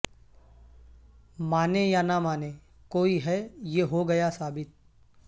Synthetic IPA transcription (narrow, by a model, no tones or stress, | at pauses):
maːnejanamaːne | koːiɦɛjeɦoɡɐjasaːbɪt̪̚